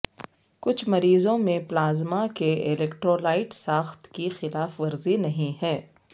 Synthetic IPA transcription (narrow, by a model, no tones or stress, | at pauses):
kʊt͡ʃʰmɐɾiːzõmẽplaːzmakeɪlɛːkʈɾoːlaːɪʈsaːxt̪kixɪlaːfʋɐɾzinɐɦĩɦɛː